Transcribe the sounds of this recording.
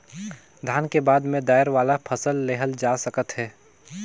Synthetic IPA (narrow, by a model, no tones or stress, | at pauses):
d̪ʱaːnkebaːd̪mẽd̪aːjəɾʋaːlapʰəsəlːeːɦəld͡ʒaːsəkət̪ɦɛː